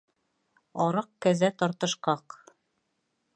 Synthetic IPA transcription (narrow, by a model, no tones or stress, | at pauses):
ɒɾɤq̚kæzæt̪ɒɾt̪ɤ̆ʃqɑq